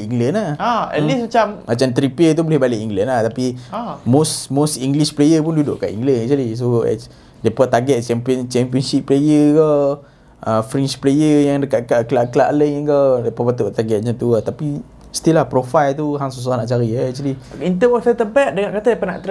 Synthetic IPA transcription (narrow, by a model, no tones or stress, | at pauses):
iŋɡlənahaɛ̰lismat͡ʃammat͡ʃamt̪ɾipiət̪ubolɛhbalɪʔiŋɡlɛnlaht̪apimosmosiŋɡliʃplejəpundudʊ̰ʔka̰ʔḭŋɡlɛnɛk̚t͡ʃwalis̬oɛ̰ | depat̪aɡɛt̪̚t͡ʃɛmpɔnt͡ʃɛmpiɔnʃipːlejəɡa | ʔəfɾɛnt͡ʃplejəjaŋdəkaʔkaʔklaʔkəlaʔləŋənɡadepɔpat̪uʔt̪aɡɛt̪̚ɲat̪uat̪api | st̪ilahpɾofajlt̪uɦaŋsus̬uanaʔt͡ʃaɾiaɛk̚t͡ʃuliint̪əwasat̪əpɛʔ̚dəŋaʔkat̪adapana̰ʔt̪